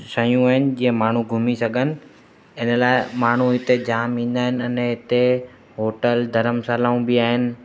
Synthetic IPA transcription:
sɐjũaːɦɪnɪ̆d͡ʑĩːə̃maːɳ̤ũɡʱʊmisɐɡʱənɪ̆ | ɪnə̆laːɪmaːɳ̤ũɦɪt̪ed͡ʑaːmĩːn̆d̪aːɦɪnɪ̆ɐnɦɪt̪e | ɦoːʈəld̪ʱɐɾəmsaːlaːũbɪaːɦɪnɪ̆

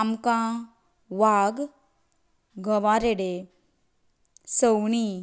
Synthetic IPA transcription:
amkã | ʋaɡ | ɡʱəʋaɾeɽe | səwɳi

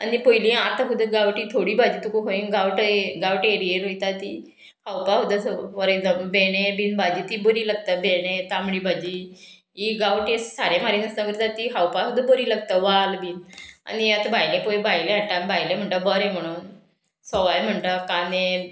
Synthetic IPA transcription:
anipojlĩat̪aɦud̪əɡawʈit̪ʰoɽiːbʱad͡ʑiːt̪ukukoiɡawʈɡawʈeɾieɾojt̪at̪i | hawpaɦud̪əsʋəɾəjdəbeɽ̃ebiːnbʱad͡ʑiːt̪ibəɾiːlaɡt̪abeɽ̃ẽt̪amɭiːbʱad͡ʑiː | iɡawʈessaɾem̤aɾinəst̪akəɾt̪at̪iɦawpaɦud̪əbəɾiːlaɡ̚t̪aʋalbʱiːna̰nijat̪bʱajlepojbajleɦaʈabʱajlẽm̤əɳʈabəɾẽm̤əɽ̃uːn | sɔʋajm̤əɳʈakanẽ

